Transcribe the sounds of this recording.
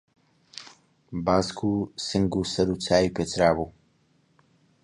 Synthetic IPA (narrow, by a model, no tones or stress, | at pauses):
baːskʰusɨŋɡusɐɾuːt͡sʰaːipet͡sɾaːbuː